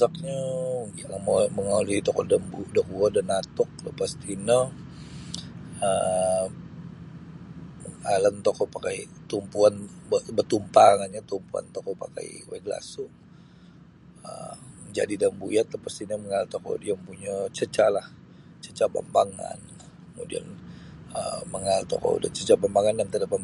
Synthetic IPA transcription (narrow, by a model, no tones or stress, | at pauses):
sak̚ɲəɡamoməŋolit̪ɔkɔ̰dambudokuɔdanat̪ɔk̚lə̰past̪inə | ə | əŋalənt̪okɔpakajt̪umpuanbəbət̪umpaŋanɲat̪umpua̰nt̪okɔpa̰ka̰jweɡla̰sʊ | ə̰əɲd͡ʒa̰didaəmbujat̪ləpast̪inəməŋalt̪oko̰djaŋpuɲat͡ʃət͡ʃalah | t͡ʃət͡ʃaba̰mbaŋa̰n | kəmudḭa̰nəməŋalt̪o̰ko̰ṵdət͡ʃət͡ʃabambaŋanjamt̪ədapa